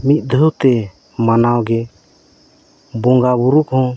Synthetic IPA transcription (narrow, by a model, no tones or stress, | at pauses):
mit̪̚ˀd̪ʱut̪ɛ | manawɡɛ | bɔŋɡabuɾukɦɔ̃